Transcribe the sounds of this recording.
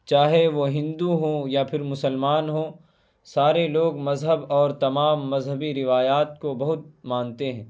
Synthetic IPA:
t͡ʃaːɦeʋoɦɪ̃nd̪uɦõjapʰɪɾmʊsəlmaːnɦoː | saːɾeloːɡmɐzɦəbɔːɾt̪ɐmaːmːɐzɦəbiɾɪʋaːjaːt̪̚kobɐɦʊt̪̚mãːnt̪eɦɛ̃ː

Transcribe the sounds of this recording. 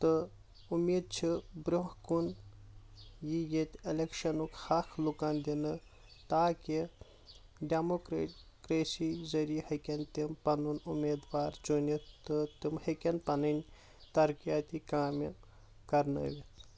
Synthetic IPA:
t̪ɨ | umʲiːd̪̚t͡ʃʰibɾʲohkun | jijet̪ʲelekʃɐnukhaːkʰlukaːnd̪inɨ | t̪aːki | ɖʲemokɾekɾeːsizɐɾijhɐkʲɐnʲt̪impɐnunumʲeːd̪ʋaːɾd͡ʒonʲit̪ɨt̪imhɐkenpɐnɨnʲ | t̪ɐɾkijaːt̪ikaːme | kɐɾnɐ̰ʋʲi

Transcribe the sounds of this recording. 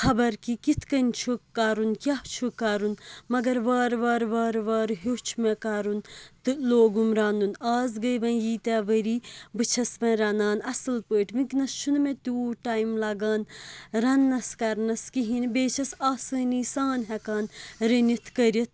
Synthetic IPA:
xʰɐbɐɾkikit̪ʰkɐnʲt͡ʃʰukːaːɾunkʲjaht͡ʃʰukːaɾunmɐɡɐɾʋaːɾʋɐːɾʋɐːɾʋaːɾɦot͡ʃʰmekaːɾunt̪ɨloːɡumɾaːnd̪unaːzɡɐjʋɐ̃njiːt̪ɛʋəɾiːbɨt͡ʃʰɐsʋɐ̃ɾɐnaːnɐsɨlpəːʈmiknɐst͡ʃʰunmẽt̪uːʈaːjmlɐɡaːnɾɐnːɐskɐɾnɐskiɦinbeːt͡ʃʰɐsaːsəːnisaːnɦɛkaːnɾɐnit̪ʰkɐɾʲit̪̚ʰ

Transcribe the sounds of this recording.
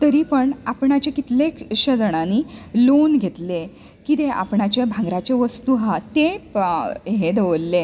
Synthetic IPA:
t̪əɾiːpəɳapɳat͡ɕekit̪lekɕəd͡zəɽ̃aniːlonɡʱet̪le | kit̪eʔa̰pɳat͡ɕebʱãŋɡɾat͡ɕeʋəst̪uɦat̪e | ɦed̪əʋlːe

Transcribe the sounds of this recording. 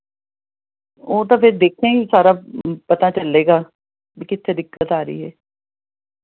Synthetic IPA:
oːt̪̬ãːpʰɪɾd̪eːkʰːẽːɡisaːɾaːpət̪aːt͡ʃəlːeːɡaː | bikɪt̪ʰːeːd̪ɪkːət̪aːɾəḭːɦɛː

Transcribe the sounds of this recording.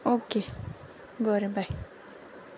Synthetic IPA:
oke | ɡoɾebaj

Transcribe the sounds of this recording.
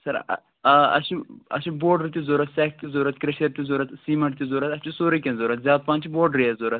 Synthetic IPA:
sɐɾ̰ | ɐ̰ʃiɐ̰ʃiboːɖɾit̪izoːɾɐt̪sɛːk̚ʰt̪izoːɾɐt̪kɾɐʃɐɾt̪izoːɾɐt̪siːmɐʈt̪izoːɾɐt̪ɐst͡ʃisoːɾikʲẽnzoːɾɐt̪zʲaːd̪̚pãːnt͡ʃʰiboːɖɾiɐzoːɾɐt̪̚

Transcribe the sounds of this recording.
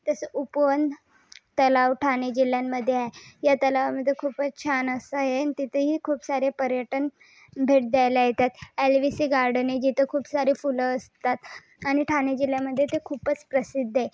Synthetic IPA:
t̪əsəʔupʋənd̪ | t̪əlaʋʈʰaned͡ʑiljamːəd̪ʱːjeaejat̪əlaʋaməd̪ʱːjekʰuːpət͡st͡ɕʰanəsaɦenit̪it̪ʰəɦiːkʰuːpsaɾepəɾjəʈən | bʱeʈ̚d̪jajlajet̪at̪ælʋisiːɡaɾɖned͡ʑit̪ʰəkʰuːpsaɾefuləəst̪at̪ | añiʈʰaned͡ʑiljaməd̪ʱːjet̪ekʰuːpət͡spɾəsid̪ʱːe

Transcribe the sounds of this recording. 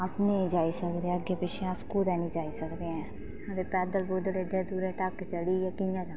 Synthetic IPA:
əsnẽːd͡ʒaːiːsəkd̪eãəɡeːpɪʃʰẽːaskuːd̪ɛːnĩːd͡ʒaːiːsəkd̪eːɛ̃ː | ət̪eːpɛːd̪əlbʊd̪əleɖẽːd̪uːɾẽːʈəkːt͡ʃəɽiːɛːkɪjãːd͡ʒãː

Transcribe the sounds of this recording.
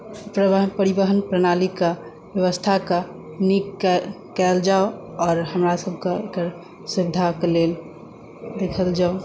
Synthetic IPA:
pɾpəɾibəɦənpɾənalika | bjəʋəst̪ʰaka | nik | kɛld͡ʒaoɔːɾɦəmɾasəbʱkeekəɾ | sibd̪ʱakelel | d̪ekʰəld͡ʒao

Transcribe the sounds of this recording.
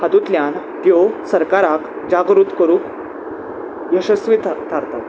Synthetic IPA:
had̪ut̪ljan | t̪josəɾkaɾak | d͡ʑaɡɾuːt̪kəɾũːk | jəɕəsʋit̪t̪ʰaɾt̪a

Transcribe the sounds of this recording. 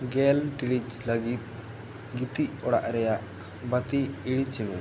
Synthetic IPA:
ɡelʈiɽit͡ʃlɐɡit̪̚ | ɡit̪iʔɔɽa̰ʔɾɛjaʔ | bɐt̪iiɽit͡ʃːimɛ

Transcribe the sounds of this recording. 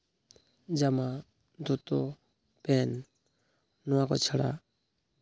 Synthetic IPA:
d͡ʒama | d̪ʱut̪o | peːn | nɔãkɔt͡ʃʰəɽa̰

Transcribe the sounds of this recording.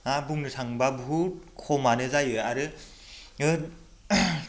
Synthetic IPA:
abuŋnɯtʰaŋbabʱut̚kʰɔmanɯzajɯaɾɯ | ɯ

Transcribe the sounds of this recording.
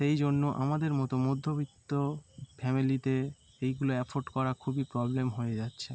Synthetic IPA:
ʃejd͡ʑonːoʔa̰mad̪eɾmɔt̪omod̪ʱːobit̪ːofɛmilit̪e | ejɡuloɛfʰoɾɖkɔɾakʰubipɾɔblemɦoed͡ʑatːɕʰe

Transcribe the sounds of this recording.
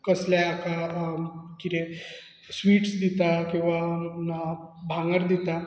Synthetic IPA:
kəsljaaka | kiɾẽ | sʋiːʈsd̪it̪akĩw̃ʋa | bʱaŋɡəɾd̪it̪a

